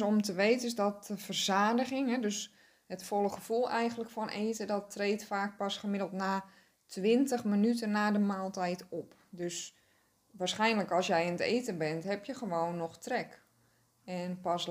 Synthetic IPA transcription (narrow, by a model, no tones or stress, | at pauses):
ɔmtəʋeːtənɪsdɔtəfərz̥aːdəɣɪŋɦɛdøs | hətfɔlˠəχəfulˠɛjənləkfɔnʔeːtədɔtreːtfaːk̚pasχəmɪdəlˠtnaː | tʰʋɪntəxmənytənːaːdəmaːlˠtɛjtɔp | døs | ʋaːrsχɛjnləkɔlˠsjɛjɪnəteːtəbɛntɦɛpjəχəʋoːwnːɔxtrɛk | ɛnpas